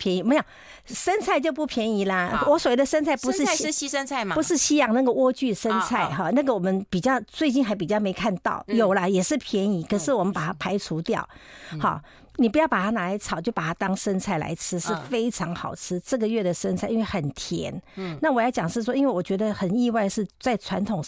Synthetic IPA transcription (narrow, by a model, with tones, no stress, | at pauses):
pʰjɛ˧˥ni˧˥me˧˥jo˨˩ | ʂə˥nt͡sʰa˥˧ɪt͡ɕjo˥˧ʊpu˥˩pʰjɛ˧˥ni˧˥lə˧wɔ˧˦˥swɔ˨˩we˥˩d̪ə˨ʂə˥nt͡sʰa˥˩ɪpu˧˥ʂɻ̩˥˧˥ə˥t͡sʰa˥˩˧pu˧˥ʂɻ̩˥˧ɕi˥jɑ˨˩ŋna˥˩ɡə˩wɔ˥˧t͡ɕy˥˩ʂə˥nt͡sʰa˥˩ɪxɑ˥˩na˥˩ɡə˩wɔ˨˩mə˧˦npi˨˩t͡ɕjɑ˥˧ʊt͡swe˥˧ɪt͡ɕi˥˩nxa˧˥ɪp̬i˨˩t͡ɕjɑ˥˩ʊme˧˥ɪkʰa˥˧nt̪ɑ̰˥˩ʊjo˨˩ʊlə˦jɛ˨˩ʂɻ̩˥˩pʰjɛ˧˥ni˧˥kʰɤ˨˩ʂɻ̩˥˩wɔ˨˩mə˦npa˨˩t̪ʰa˥pʰa˧˥ɪʈ͡ʂʰu˧˥t̪jɑ̰˥˩ʊhɑ̰˥˩ | ni˨˩p̬u˧jɑ˥˩ʊpa˨˩t̪ʰa˥na˨˩a˧˥ɪt͡sʰɑ˨˩ʊt͡ɕjo˥˩ʊpa˨˩t̪ʰa˥t̪ɑ˥ŋʂə˥nt͡sʰa˥˩ɪla̰˧˥ɪʈ͡ʂʰɻ̩˥ʂɻ̩˥˩fe˥ɪʈ͡ʂʰɑ˧˥ŋxɑ˨˩ʊʈ͡ʂʰɻ̩˥ʈ͡ʂə˥˩ɡə˩ɥɛ˥˩d̪ə˩ʂə˥nt͡sʰa˥˩i˥nwɪxə˨˩nt̪ʰjɛ̰˧˥nna˥˩wɔ˨˩jɑ˥˩t͡ɕjɑ˨˩ŋʂɻ̩˥˩ʂ̬wɔ˥i˥nwe˥˩ɪwɔ˨˩t͡ɕɥɛ˧˥d̪ə˧xə˨˩ni˥˧wa˥˧ɪʂɻ̩˥˧t͡sa˥˩ɪʈ͡ʂʰwa˧˥nt̪ʰʊ˨˩ŋ